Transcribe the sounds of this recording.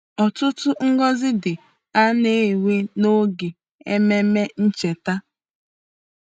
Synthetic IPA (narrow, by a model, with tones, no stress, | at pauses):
ɔ˨tʊ˦tʊ˦ŋ̩˦ɡɔ˦zɪ˦dɪ˨ | a˦ne˦˨we˦no˦ɡe˨ | e˦me˦me˦n̩˦t͡ʃe˨ta˦